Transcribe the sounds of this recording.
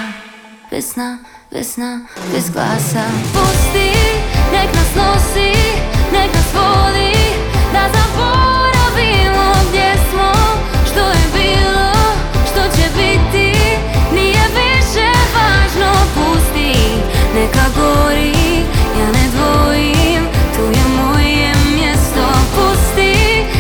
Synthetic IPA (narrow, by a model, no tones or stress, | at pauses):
bɛ̰sna | bɛ̰snabɛ̰zɡlˠa̰sapust̪inɛkasnosinɛkasvoli | d̪azaboɾavilobjɛsmo | ʃt̪ojɛbilˠo | ʃt̪ot͡ʃɛbit̪i | niɛviʃɛvaʒnopust̪i | nɛkaɡoɾijanɛ̃d̪vo | imt̪ujɛmoiɛmjɛst̪oapust̪i